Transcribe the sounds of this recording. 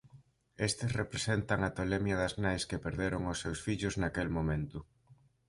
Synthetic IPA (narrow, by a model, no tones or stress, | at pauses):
est̪ɪsrepɾesent̪aŋat̪olemjɐðɐznajskepeɾðeɾʊŋʊsːewsfiʎʊznakelmomẽnt̪ʊ